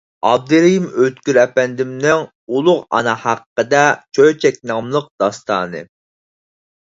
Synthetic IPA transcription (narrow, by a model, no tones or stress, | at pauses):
ɑ̰b̚d̪ɨɾijimøt̪kʲyɾɛpɛnd̪ɪmnɪŋ | ulˠʊʁɑ̰nɑhæqːəd̪ɛt͡ʃʰøjt͡ʃʰɛk̚ʲnɑmlˠəq̚d̪̥ɑst̪ʰɑ̰ːnɨ̰